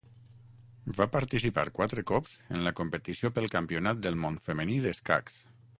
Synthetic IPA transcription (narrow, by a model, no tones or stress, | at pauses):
vapaɾt̪isipa̰ɾkwat̪ɾəkɔpz̥ə̰nləkompət̪isiopəlˠkampiunat̪̚d̪əlˠmonfəməniðəska̰ks